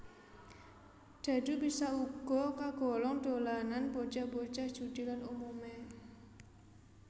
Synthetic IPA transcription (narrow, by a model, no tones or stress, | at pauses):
d̪̥a̤d̥ṳbisauɡ̥ɔ̤kaɡ̥ɔ̤lɔŋɖ̥olananbot͡ʃabo̥t͡ʃaht͡ʃud̪̥i̤lanumume